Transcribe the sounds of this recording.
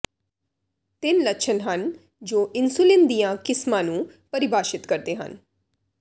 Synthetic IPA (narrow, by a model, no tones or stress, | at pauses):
t̪ɪnləkʃʰənɦən | d͡ʒoːʔɪnsulɪ̃nd̪ijãkɪsmãnũpəɾɪbʱaːʃɪt̪kəɾd̪eɦə̰n